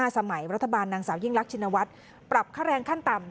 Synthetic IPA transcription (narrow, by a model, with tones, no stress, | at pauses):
aː˥˩sa˧ma˨˩˦jɾa˦˥t̪ʰːa˧baː˧nːaː˧ŋsaː˩˦wji˥˩ŋɾa˦˥k̚t͡ɕʰi˧nːa˧wa˦˥t̪̚ | pɾa˨˩p̚kʰaː˥˩ɾɛː˧ŋkʰa˥˩nt̪a˨˩m